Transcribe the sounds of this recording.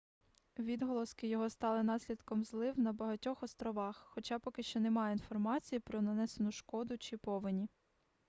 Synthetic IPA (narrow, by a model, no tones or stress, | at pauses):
ʋʲid̪ɦɔlˠɔskɪjɔɦɔst̪ɑlˠɪnɑsʲlʲid̪kɔmzlˠɪwnɐbɐɦɐtʲɔxɔst̪ɾɔʋɑxːɔt͡ʃɑpɔkɪʃt͡ʃɔnemɑjɛinfɔrmɑt͡sʲijipɾɔnɐnɛsenʊʃkɔd̪ʊt͡ʃɪpɔʋɪnʲi